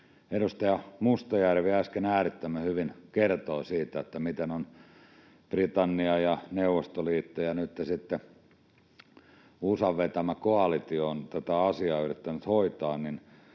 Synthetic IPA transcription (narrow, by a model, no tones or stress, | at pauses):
eɾust̪ɑjɑmust̪ojærʋeæskenæːrit̪ːæmːæhyʋinkert̪oːsiːt̪æet̪ːæmit̪enon | prit̪ɑnːiɑjɑneuʋːˑost̪oliːt̪ːojɑnyt̪ːesit̪ːe | usɑʋʋet̪æmækoɑlit̪ioːnt̪æt̪æɑsiɑːyrit̪ːænyt̪hoit̪ɑːnnin